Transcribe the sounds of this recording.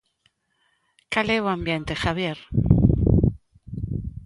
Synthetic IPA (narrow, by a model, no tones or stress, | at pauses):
kaleβoambjent̪exaβjeɾ